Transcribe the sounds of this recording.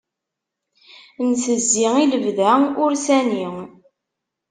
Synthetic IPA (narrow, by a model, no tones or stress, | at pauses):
nsəzːiiləvðæʊɾsæniŋ